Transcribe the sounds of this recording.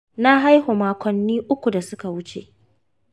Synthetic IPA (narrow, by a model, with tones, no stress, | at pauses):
na˦ɦa˦jhoː˨maː˨kʷɔ˨nːiː˦ʔʊ˦kʷu˨da˨sʊ˦ka˨wʊ˦t͡ʃḛ˨ʔ